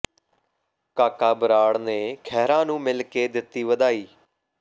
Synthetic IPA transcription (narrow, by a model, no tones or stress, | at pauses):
kaːkaːbəɾaːɽneːkʰɛːɾãːnũːmɪlkeːd̪ɪt̪ːiːʋəd̪aːiː